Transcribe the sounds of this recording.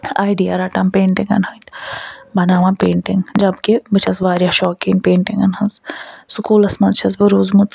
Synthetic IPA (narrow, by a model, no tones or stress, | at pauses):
aːjɖiaɾaːʈɐmpeːɳʈiŋɡɐ̰nhɐnt̪bɐnaːʋãːpeːɳʈiŋɡd͡ʒɐbkebɨt͡ʃʰɐsʋaːɾjaʃɔːkiŋɡpeːɳʈiŋɡɐnɦɐnzsʊkuːlɐsmɐzt͡ʃʰɐzbɐɾuːzmut̪